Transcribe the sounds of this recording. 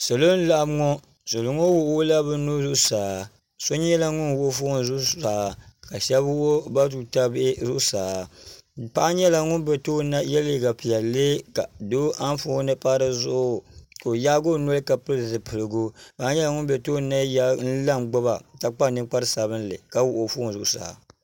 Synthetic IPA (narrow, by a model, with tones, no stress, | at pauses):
so˨lo˦n̩˦la˦ʔa˦bŋo˦ | so˨lo˨ŋo˦wo˦o˦la˦bɨ˦nu˦zʊ˦ʔsaː˨ | so˦ɲ˦ɛ˦la˦ŋʊ˦nwo˦fʊ˦n˦zʊ˦saː˨ka˨ʃɛ˦bwo˦ba˦tu˨ta˦bʔzʊ˦ʔsaː˨pa˦ɲɛ˦la˨ŋʊ˦nbɛ˨to˦na˦jɛ˦lɪ˦˨ɡa˨pi˨jɛ˨le˦ka˨do˦ʔa˦n˦fo˦˨˦nɨ˦pa˦ɾɨ˦zʊ˦ʔʊ˦ko˨ja˦ɡo˦nɔ˦lɨ˦ka˨pɨ˦lzɨ˨pʰɨ˨lɨ˨ɡo˦paː˦ɲɛ˦la˨ŋʊ˦nbɛ˨to˦na˦ja˦n̩˦la˦mɡ͡bo˦ba˨ta˦k͡pa˦nɨ˦k͡pa˦ɾɨ˦sa˨βɨ˦n˦lɨ̰˨ka˦wu˦ʔo˨fʊ˦nzʊ˦ʔsa̰ː˨